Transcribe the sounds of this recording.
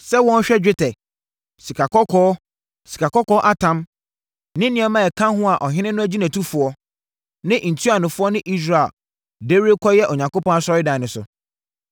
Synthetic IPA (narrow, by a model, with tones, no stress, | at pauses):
sɛ˦wɔ̃˦n˦ɕᶣɛ˦d͡ʑᶣɪ˦tʰɛ˨ | si˨kʰa˨kɔ˦kʰɔː˦ | si˨kʰa˨kɔ˦kɔː˦ʔa˦tʰã˦m | nɪ̃˦nɪ̃˦ɛ˨˦mã˦ɛ˨kʰã˦ɦʊ̃˦a˨ʔɔ˨ɦɪ̃˦nɪ̃˦nʊ̃˦æ˦d͡ʑi˦næ̃˨tʰu˦fʊ˨ɔ˦ | nɪ̃˦ʔn̩˨tʰu˦a˨nʊ̃˨fʊ˦ɔ˦nɪ̃˦ʔi˦s̬ɾa˨e˨l | de˦ɾi˦kʰɔ˦jɛ˦ʔɔ˨ɲã˨ŋko˦pɔ̃˦a˦˨sɔ˦ɾɪ˦dã˨nʊ̃˨sʊ̰˨